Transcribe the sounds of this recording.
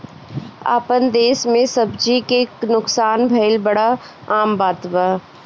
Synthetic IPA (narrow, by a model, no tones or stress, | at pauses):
a̰ːpənd̪eːsmẽsəbd͡ʒikeknʊksaːnbʱɐɪlbɐɽa | aːmbaːt̪baː